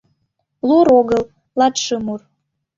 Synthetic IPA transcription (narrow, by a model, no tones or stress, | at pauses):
luɾoɣəl | lɑt̪ʃɤmur